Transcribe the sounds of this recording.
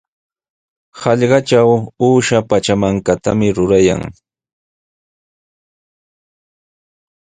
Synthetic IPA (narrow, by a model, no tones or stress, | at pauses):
hɑʎɢɑt͡ʃawuːʃapat͡ʃamaŋkat̪amɪɾʊɾaja̰ŋ